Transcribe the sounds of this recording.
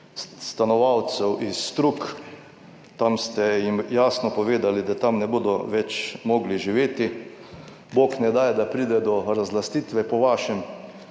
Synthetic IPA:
st̪anɔʋawt̪sɛwʔisːt̪ɾuk | t̪amst̪ɛjimjaːsnɔpɔʋeːd̪alid̪at̪amnɛboːd̪ɔʋɛt͡ʃmɔːɡliʒiʋeːt̪i | boːknɛd̪aːjɛd̪apɾiːd̪ɛd̪ɔɾazlast̪iːt̪ʋɛpɔʋaːʃɛm

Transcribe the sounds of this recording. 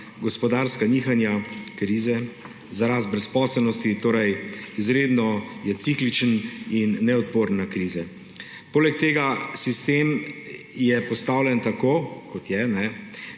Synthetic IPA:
ɡɔspɔd̪aɾskaniːxanjakɾiːzɛ | zaɾaːst̪̚bɾɛspɔːsəlnɔst̪it̪oːɾɛjizɾeːd̪nɔjɛt̪siklit͡ʃəninːɛɔt̪̚poːɾnakɾiːzɛ | poːlɛk̚t̪eːɡasist̪eːm | jɛpɔst̪aːwlɛnt̪akoːkɔt̪jɛnɛ

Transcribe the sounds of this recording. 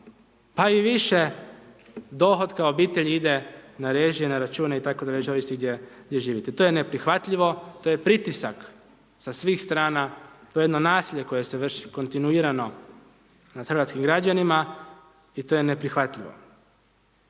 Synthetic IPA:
paiʋiʃe̞ | d̪o̞xo̞d̪kaoobiːt̪eʎiid̪e̞naɾeːʒijenaɾat͡ʃuːneit̪akod̪aʎet͡ʃoʋist̪iɡd̪jeɡd̪jeʒiːʋit̪et̪o̞jene̞pɾixʋat̪ʎiʋo̞t̪o̞je̞pɾit̪isak | sasʋiːxst̪ɾaːnat̪ojjed̪no̞naːsilʎe̞ko̞je̞seʋr̩ʃi̥ko̞nt̪inuiːɾano̞ | naxr̩ʋat̪skimɡɾad͡ʒanima | it̪o̞jene̞pɾixʋat̪ʎiʋo̰

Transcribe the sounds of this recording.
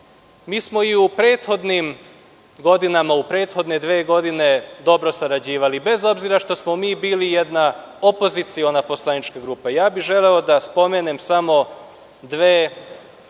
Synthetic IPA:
miːsmo̞iupɾe̞ːt̪xo̞d̪nim | ɡo̞d̪inamaupɾe̞ːt̪xo̞d̪ne̞d̪ʋeːɡo̞d̪ine̞d̪o̞bɾo̞saɾad͡ʑiːʋalibe̞zo̞bziɾaʃt̪o̞smo̞miːbiːlije̞d̪na | opo̞zit̪sio̞napo̞slˠanit͡ʃkaɡɾuːpejaːbiʒe̞le̞od̪aspo̞menemsamo̞ | d̪ʋeː

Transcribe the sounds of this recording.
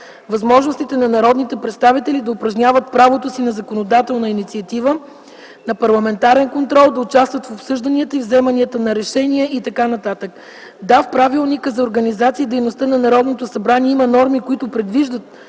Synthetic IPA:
vɐzmɔʒnost̪it̪ɛnɐnɐɾɔd̪nit̪ɛpɾɛt̪st̪avit̪ɛlid̪ɐʊpɾɐʒnʲavət̪̚pɾavot̪osinɐzɐkonod̪at̪ɛlˠnəinit̪siɐt̪ivə | nɐpɐɾlˠɐmɛnt̪aɾɛnkont̪ɾɔlˠd̪ɐʊt͡ʃast̪vət̪fopsɤʒd̪ɐniət̪əivzɛmɐniət̪ənɐɾɛʃɛnʲiɛʔit̪ɐkanɐt̪at̪ək | d̪afpɾavilˠnikəzɐoɾɡɐnizat̪siːd̪ɛjnost̪ənɐnɐɾɔd̪not̪osɐbɾaniɛimɐnɔɾmikoit̪ʊpɾɛd̪viʒd̪ət̪̚

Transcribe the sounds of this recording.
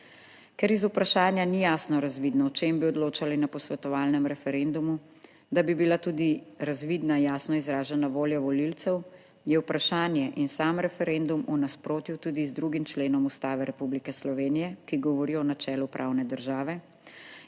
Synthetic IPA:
kɛɾizupɾaʃaːnjanijaːsnɔɾazʋiːd̪nɔɔt͡ʃeːmbiɔd̪loːt͡ʃalinapɔsʋɛt̪ɔʋaːlnɛmɾɛfɛɾɛnd̪umu | d̪abibilat̪uːd̪iɾazʋiːd̪najaːsnɔizɾaːʒɛnaʋoːljɔʋɔlilt̪sɛw | jɛwpɾaʃaːnjɛʔinsaːmɾɛfɛɾɛnd̪umunaspɾoːt̪jut̪uːd̪izd̪ɾuɡimt͡ʃleːnɔmust̪aːʋɛɾɛpublikɛslɔʋeːnijɛkiɡɔʋɔɾiɔɔnat͡ʃɛːlupɾʔa̰ːwnɛd̪əɾʒaːʋɛ

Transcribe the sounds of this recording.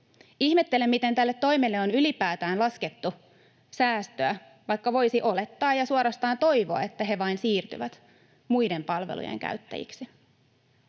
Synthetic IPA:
ihme̞t̪ːe̞lemːit̪e̞nt̪ælːet̪ːo̞jmelːeo̞nylipæːt̪æːnlɑske̞t̪ːu | sæːst̪øæ | ʋɑjkːɑʋo̞jsiʔo̞le̞t̪ːɑːjɑsuɑɾɑst̪ɑːnt̪o̞jʋo̞ɑ̰e̞t̪ːæɦe̞ʋɑinsiːrt̪y̰ʋæt̪ | mujde̞mpɑlʋḛlṵjḛŋkæ̰ɥt̪ːæ̰jḭksi

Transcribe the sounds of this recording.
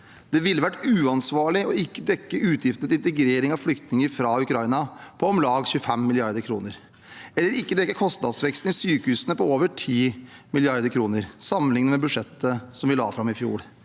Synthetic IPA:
d̪̥ɛʋɪlːəʋæʈːʉːɑnsʋɑːɭɪɔɪkːəd̪ɛkːəʔʉːt̪ʰjɪft̪ət̪ɪnt̪əɡɾeːɾɪŋɑʋflʏkt̪nɪŋəɾfɾɑːʉkɾɑɪnɑpʰɔɔmlɑːɡçʉːəfɛmːɪlɪɑɾd̪əɾkʰɾuːnəɾ | ɛlːəɾɪkːəd̪ɛkːəkʰɔst̪nɑd̪sʋɛkst̪n̩ɪsyːkəhʉːsənəpɔoːʋəʈʰiːmɪlɪɑɾd̪əkʰɾuːnəɾsɑmːənlɪŋnəmɛbʉʂɛt̪ːəsɔmʋɪlɑ̰ːfɾɑmɪfjṵːɽ

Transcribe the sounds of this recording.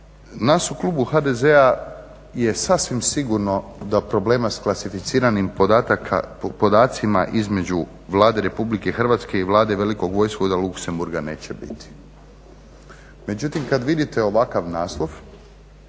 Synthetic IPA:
nasuklˠuːbuxad̪e̞ze̞a | je̞sasʋimsiɡuɾno̞d̪apɾo̞ble̞ːmasklasifit̪siːɾanima̰po̞d̪aːt̪sima̰ʔizme̞d͡ʒu | ʋlˠaːd̪e̞ɾe̞publike̞xr̩ʋat̪ske̞iʋlˠaːd̪e̞ʋe̞liko̞ɡʋo̞jskod̪alˠukse̞mbuɾɡane̞̰ːt͡ɕebḭt̪i̥ | me̞d͡ʑut̪imkad̪ʋid̪it̪eo̞ʋakaʋnaːslˠo̞ʋ

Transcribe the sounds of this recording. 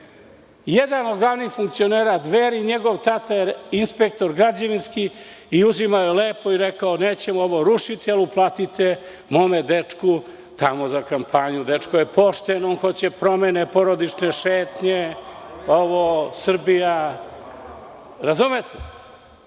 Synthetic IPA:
jed̪anod̪ɡlˠaʋnixfuŋk̚t̪sio̞neːɾad̪ʋeɾiɲeɡo̞ʋt̪at̪ajeinspek̚t̪o̞ɾɡɾad͡ʑaʋinskiiuzimaojeleːpo̞iɾekaoneːt͡ɕemuoʋoɾuʃit̪ialuplaːt̪it̪ʰe | mo̞med̪et͡ʂku | t̪amo̞zakampʰaɲud̪et͡ʂkojepo̞ʃt̪enoːnxo̞t͡ɕepɾo̞menepo̞ɾod̪it͡ʂneʃeːt̪ɲe | oʋosr̩bija | ɾazumet̪ʰe

